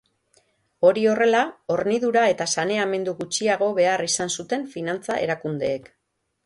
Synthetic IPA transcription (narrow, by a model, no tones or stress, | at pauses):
o̞ɾio̞re̞lao̞ɾniðuɾae̞t̪asane̞ame̞nd̪uɣut͡ʃiaɣ̞o̞βe̞arisansut̪e̞ɱfinant͡saʔe̞̰ɾakund̪e̞ːk